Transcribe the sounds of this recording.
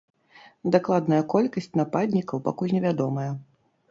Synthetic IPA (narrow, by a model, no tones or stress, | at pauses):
d̪aklˠad̪nɐjɐkɔlʲkɐsʲt͡sʲnapad̪ʲnʲikɐwpa̰kulʲnʲɛvʲad̪ɔmɐjɐ